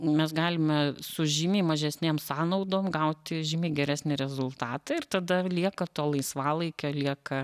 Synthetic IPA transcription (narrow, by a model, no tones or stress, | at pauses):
mʲɛsɡɑːlʲɪmʲɛsʊʒʲɪmʲiːmɐʒʲɛsʲnʲeːmsɑːnɐʊd̪oːmɡɐʊt̪ʲɪʒʲɪmʲiːɡʲɛɾʲæːsʲnʲɪɾʲɛzʊlˠt̪ɑːt̪ɐɪɾt̪ɐd̪ɐlʲiɛkɐt̪oːlˠɐɪsʋɑːlˠɐɪkʲoːlʲiɛkɐ